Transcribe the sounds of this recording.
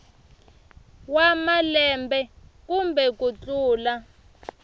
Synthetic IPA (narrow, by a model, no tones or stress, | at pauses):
wamalɛmbɛkumbɛkut͡ɬuːla